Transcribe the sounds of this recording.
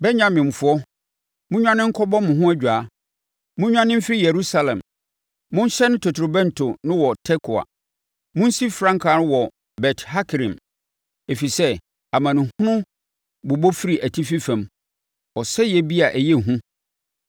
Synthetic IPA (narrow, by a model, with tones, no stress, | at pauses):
bɛ˦ɲã˨mɪ̃˨m̩˨fʊ˦ɔ˦ | mʊ̃˦ɲᶣã˦nɪ̃˦ŋ̩˦kʰɔ˦bɔ˦mʊ̃˨ɦʊ̃˦æ˦d͡ʑᶣaː˨˦ | mʊ̃˦ɲᶣã˦nɪ̃˦m̩˦fɪ˦ɾi˦je˨ɾu˦sa˨lɛ̰̃˨mː | ʊ̃˦n˦ɕɛ˦nʊ̃˦tʰɔ˨tʰɾo˨bɛ̃˦ntʰʊ˨nɪ̃˦wɔ˨tʰɛ˦kʰʊ˨a̰˨ | mʊ̃˦n̩˦si˦fɾã˦ŋkʰaː˨˦nʊ̃˦wɔ˨ | bɛ˨tʰha˦kʰɾĩ˨m | e˨fi˨sɛ˦ | a˨mã˨nʊ̃˨hʊ̃˦nʊ̃˦ | bʊ˨bo˦fi˦ɾi˨ʔæ˨tʰi˦fi˦fæ̃˨m | ɔ˨sɛ˦jɛ˦˨bi˦a˨ʔæ˨jɛ˦˨ɦũ˦